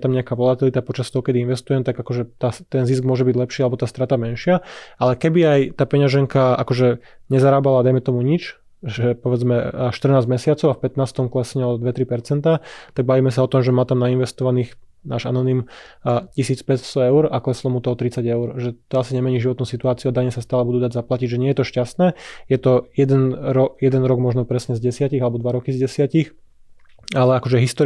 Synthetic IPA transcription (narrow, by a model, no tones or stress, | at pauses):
t̪amɲɛakaʋɔlat̪ilit̪apɔt͡ʃast̪ɔɦɔkɛd̪iinʋɛst̪ujɛmt̪aɡakɔʒɛt̪aːst̪ɛnzisɡ̚mʊɔʒɛbiɟlɛpʃiːalɛbɔt̪aːst̪ɾat̪amɛnʃɪaalɛkɛbiajt̪aːpɛɲaʒɛŋkaa̰kɔʒɛ | ɲɛzaɾaːbalad̪ajmɛt̪ɔmuɲit͡ʃ | ʒɛpɔʋɛd͡zmɛʃt̪r̩naːzɟmɛsɪat͡sɔʊafpɛt̪naːst̪ɔmklɛsɛɲɛɔd̪ʋɛt̪ɾipɛɾt͡sɛnt̪at̪aɡ̚baʋiːmɛs̬aɔt̪ɔmʒɛmaːt̪amnainʋɛst̪ɔʋaniːx | na̰ːʒa̰nɔniːmcisiːt͡spɛtst̪ɔɛʊɾaklɛslɔmut̪ɔɔt̪ɾit͡saɟɛʊɾʒɛt̪ɔasiɲɛmɛɲiːʒiʋɔt̪nuːsit̪uaːt͡siuad̪aɲɛsast̪aːlɛbud̪uːd̪aɟzaplaciɟʒɛɲɪɛjɛt̪ɔʃcast̪nɛːjɛt̪ɔjɛd̪ɛnɾɔjɛd̪ɛnɾɔɡmɔʒnɔpɾɛsɲɛzɟɛsɪaciɣalɛbɔd̪ʋaɾɔkizɟɛsɪacix | alɛakɔʒɛɦist̪ɔ